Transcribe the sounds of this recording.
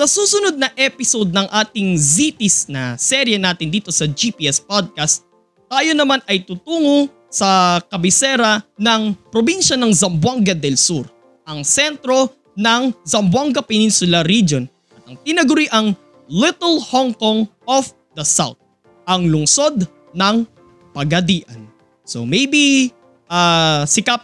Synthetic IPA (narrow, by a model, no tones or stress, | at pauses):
sɐsuːsʊnod̪̚nɐʔɛpɪsod̪̚nɐŋʔaːt̪ɪŋzit̪ɪsnɐsɛɾjɛnaːt̪ɪnd̪iːt̪o̞sɐd͡ʒipiʔɛspod̪̚kɐst̪̚ː | aːjo̞nɐmanʔɐjt̪ut̪uːŋo | sɐkɐbɪsɛɾɐnɐŋpɾobinʃɐnɐŋzɐmbwaŋɡɐd̪ɛlsuɾ | ʔɐŋsɛnt̪ɾo̞ | nɐŋzɐmbwaŋɡɐpɛninsʊlɐɾid͡ʒon | ʔɐt̪ɐŋt̪ɪnɐɡʊɾiʔɐŋ | lɪt̪ɐlhoŋkoŋof | d̪ɐsa̰wt̪̚ | ʔɐŋlʊŋso̞d̪ | nɐŋ | pɐɡɐd̪iːʔɐn | so̰mɛjbi | ʔasɪkɐp̚